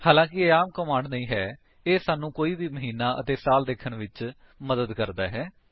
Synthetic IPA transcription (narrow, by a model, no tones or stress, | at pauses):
haːlãːkɪəaːmkəmãːɳɖnəĩːɦɛː | eːsaːnũːkoːiːbiːməɦiːnaːʔə̰t̪eːsaːld̪eːkʰəɳʋɪt͡ʃ | məd̪əd̪kəɾd̪aːɦɛː